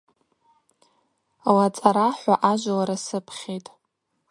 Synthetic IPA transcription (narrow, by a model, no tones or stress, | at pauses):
lat͡sʼaɾaħʷaʔaʒʷlaɾasɨpʰχʲejtʼ